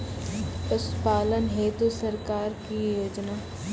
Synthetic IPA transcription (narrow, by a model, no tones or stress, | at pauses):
ʊspaːlənɦeːt̪usəɾkaːɾkijoːd͡ʒnaː